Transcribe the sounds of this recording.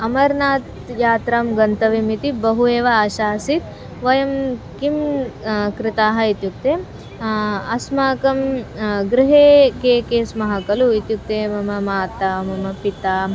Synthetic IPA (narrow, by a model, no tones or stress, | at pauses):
ɐmɐɾnaːt̪ | jaːt̪ɾaːmɡɐnt̪ɐʋimit̪ibɐɦueːʋɐːʃaːsit̪ | ʋɐjɐmkim | kɾɪt̪aːɦɐit̪juk̚t̪eː | ɐsmaːkɐmɡɾɪɦeːkeːkeːsmɐɦɐkɐluit̪juk̚t̪eːmɐmɐmaːt̪ːamɐmɐpit̪aː